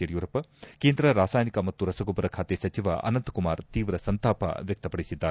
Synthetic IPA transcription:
jɐɾjuːɾɐpɐkeːnd̪ɾɐɾaːsaːjnikɐmɐt̪ːuɾɐsɐɡobɐɾɐkʰaːt̪esɐt͡ʃiʋɐ̰ʔɐ̰nɐnt̪kumaːɾt̪iːʋɾɐsɐnt̪aːpɐ̰ʋjɐk̚t̪ɐpɐɽisid̪ːa

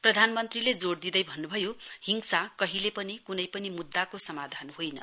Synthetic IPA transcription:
prʌd̪ʱanmʌnt̪riled͡zoɽd̪id̪ʌjbʱʌnːubʱʌjohiŋsakʌɦilepʌnikunʌjpʌnimud̪ːakosʌmad̪ʱanhojnʌ̰

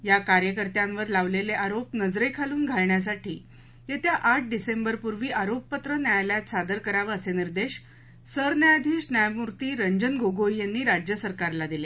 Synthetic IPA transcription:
jakaɾjəkəɾt̪jãnʋəɾlaʋleleʔaɾopnəd͡zɾejkʰaluːnɡʱaɭɳjas̬aʈʰiː | jet̪jaʔaʈ̚ʰɖisembəɾpuɾʋiːʔaɾopːət̪ɾənjajljat̪sad̪əɾkəɾaʋəːseniɾd̪eɕ | səɾnjajad̪ʱiːɕnjajmuɾt̪iːɾəɲd͡ʑənɡoɡoijanːiːɾad͡ʑjəsəɾkaɾlad̪ile

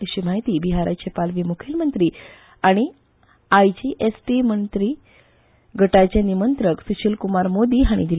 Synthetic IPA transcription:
ɕim̤aɦit̪iːbiɦaɾʔa̰t͡ɕepalʋimukʰelmənt̪ɾiː | aɽ̃i | ajd͡ʑiʔesʈimənt̪ɾiː | ɡʱəʈat͡ɕjanimənt̪ɾəksuɕilkumaɾmod̪iːɦaɽ̃ḭd̪il

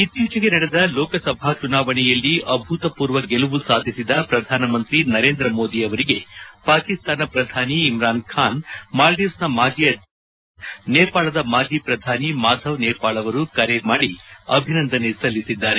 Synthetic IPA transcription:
it̪juːt͡ʃɐɡenɐɽed̪ɐloːkɐsɐbʱaːt͡ʃunaːʋɐɳɛjɐlːiɐbʱut̪ɐpuːɾʋɐɡeluʋusaːd̪ʱisid̪ɐpɾɐd̪ʱaːnɐmɐnt̪ɾinɐɾe̞ːnd̪ɾɐmo̞ːd̪iɐʋɐɾiɡe̞paːkist̪aːnɐpɾɐd̪ʱaːniːmɾaːnkʰaːnmaːld̪eːsnɐmaːd͡ʒijɐ | neːpaːɭɐd̪ɐmaːd͡ʒiːpɾɐd̪ʱaːnimaːd̪ʱɐʋneːpaːɭɐʋɐɾukɐɾemaːɽiɐbʱinɐnd̪ʱɐnesɐlːisid̪ːaːɾe

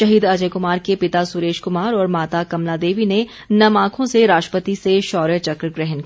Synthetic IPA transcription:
ʃɐɦiːd̪ɐd͡ʒəkʊmaːɾkepɪt̪asʊɾeːʃkʊmaːɾɔːɾmaːt̪akɐmlad̪eːʋine | nɐmãːkʰõseɾaːʃʈɾəpət̪iseʃɔːɾət͡ʃɐkɾɡɾɛɦənkː

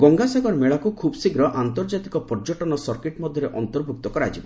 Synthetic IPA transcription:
ɡɔŋɡasaɡɔɾmeɭakukʰubsiɡɾɔʔant̪ɔɾd͡ʒat̪ikɔpɔɾd͡ʒɔʈɔnɔsɔɾkeʈmɔd̪ʱjɔɾeʔɔnt̪ɔɾbʱuk̚t̪ɔkɔɾa̰d͡ʒibɔ

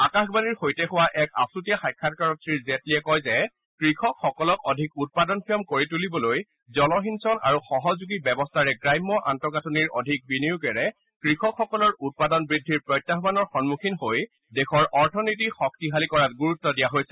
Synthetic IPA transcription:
akaxbaniɹxojtɛxʊwaʔɛka̰sutijaxajkʰːatkaɹɔttɹiɹzɛtliɛkɔjzɛ | kɹixɔkxɔkɔlɔkɔdʱikut̚padɔnpʰiɔmkoɹitulibɔloj | zɔlɔɦinsɔna̰ɹuxɔɦɔzuɡibɛbɔstʰaɹɛɡɹajmːɔʔa̰ntɔkatʰuniɹɔ̰dʱik̚binijukɛɹɛ | kɹixɔkxɔkɔlɔɹut̚padɔnbɹidʱːiɹpɹɔjtːaɦbanɔɹxɔnmukʰinhoj | dexʰɔɹɔɹtʰɔnit̬ixɔk̚tiɦalikɔɹat̚ɡuɹutːɔdijaɦojsɛ̥

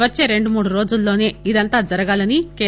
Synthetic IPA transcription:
ʋɐt͡ʃːe̞ːɾe̞ɳɖumuːɽuɾo̞ːd͡ʒulːo̞ːne̞ːid̪ɐnt̪aːd͡ʒɐɾɐɡaːlɐnikeː

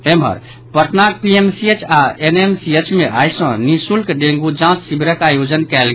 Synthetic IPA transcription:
emɦə̰ɾ | pəɾt̪nak̚piemsiet͡ʃaenemsiet͡ʃmeʔajsɔ̃nisulkɖẽŋɡud͡ʒãt͡ʃ̪sibʱiɾəkajod͡ʒənkɛlɡ

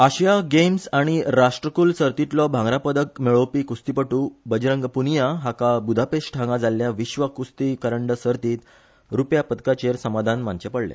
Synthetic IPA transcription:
aɕjaɡemsaɽ̃iɾaʂʈɾəkuːlsəɾt̪it̪lɔbʱãŋɡɾapəd̪ək̚meɭowpiːkust̪ipəʈuːbəd͡ʑɾəŋɡpunijaɦakabud̪ʱapeʂʈʈʰãŋɡad͡zalːjaʋiɕʋəkust̪ikəɾəɳɖəsəɾt̪iːt̪ | ɾupjapət̪kat͡ɕeɾsəmad̪ʱanmaɲt͡ɕepəɽlɛ̰̃

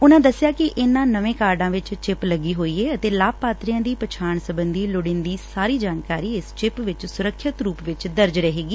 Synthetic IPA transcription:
ʊnãːd̪əsːɪjaːkɪʔɪnːãːnəʋẽːkaːɾɖãːʋɪt͡ʃt͡ʃɪpləɡiːɦoːiːeːət̪eːlaːpaːt̪ɾijãːd̪iːpət͡ʃʰaːɳsəbənd̪iːlʊɽɪnd̪iːsaːɾiːd͡ʒaːnkaːɾiːɪst͡ʃɪpʋɪt͡ʃsʊɾəkʰːɪt̪ɾuːpʋɪt͡ʃd̪əɾd͡ʒɾəɦeːɡiː

